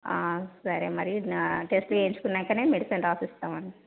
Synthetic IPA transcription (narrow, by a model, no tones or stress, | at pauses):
aːsɐɾemɐɾiʈesʈloeːɲt͡ʃu̥kunːaŋkaːneːmeɖisɐnɾaːsist̪aːmɐɳːi